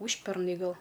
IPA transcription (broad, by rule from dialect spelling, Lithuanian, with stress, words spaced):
ˈuːʃʲpʲɛrnɐɪ ˈɡɐlˠ